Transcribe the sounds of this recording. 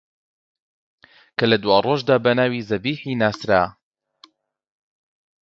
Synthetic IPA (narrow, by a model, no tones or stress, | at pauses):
kʰɐlɐd̪waːroːʒd̪aːbɐnaːwiːzɐbiːħiːnaːsɾa̰ː